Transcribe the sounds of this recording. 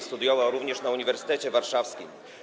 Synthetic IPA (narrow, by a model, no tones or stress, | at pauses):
st̪ud̪jɔvawɾuvɲɛʂnauɲivɛɾsɘ̥t̪ɛt͡ɕɛvaɾʂafskʲḭm